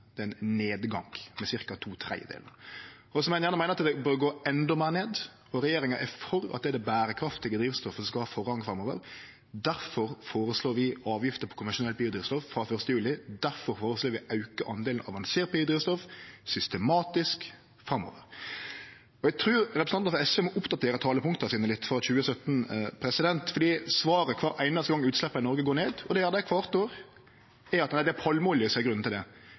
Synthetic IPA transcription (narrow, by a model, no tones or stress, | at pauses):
d̪̥ɛnneːd̪ɡɑŋmɛsɪɾkɑt̪ʰuːt̪ʰɾæ̰ɪəd̪ḛːlnə | ɔsɔmænjæːnəmæɪnəɾɑt̪d̪ɛbøːɾɡoːɛnd̪ɔmeːɾneːd̪ | ɔɾɛjeːɾɪŋɑʔɛfɔɾɑ̰t̪d̪ɛæd̪ɛbæːɾəkʰɾɑft̪ɪɡəd̪ɾiːʋst̪ɔfəsɔskɑhɑːfɔʁɑŋfɾɑmːoːʋəɾ | d̪æɾfɔɾfoːɾəsloːɾʋɪɑːʋjɪft̪əpʰɔ̥kʰʊnʋɛnʂʊnɛlbiːʊd̪ɾiːʋst̪ɔffɾɑfœɾst̪əjʉːlɪd̪æɾfɔɾfoːɾəsloːɾʋɪʔɑʉkəʔɑnd̪eːlənɑʋɑnseːɾt̪̚biːʊd̪ɾiːʋst̪ɔfsʏst̪əmɑːt̪ɪsk | fɾɑmɔ̰ːʋəɾ | ɔæɡt̪ʰɾʉːɾɾɛpɾəsnɑfɾɑɛsɛmɔʔʊpd̪ɑt̪ʰeːɾət̪ʰɑːləpʰʊŋt̪əɑsiːnəlɪt̪ːfɾɑçʉːəsœt̪n̩pʰɾɛsɪd̪ɛnt̪fɔɾɖ̪iːsʋɑːɾəkʰʋɑːɾæɪnɑst̪ɡɑŋːʉːt̪slɛpːɑɪnɔɾɡəɡoːneːd̪ɔd̪ɛæɾd̪ækʰʋɑːʁt̪oːɾ | æɾɑt̪næɪd̪ɛæpʰɑlmuːlɪsɔɛɡɾʉnn̩t̪ɪld̪ɛ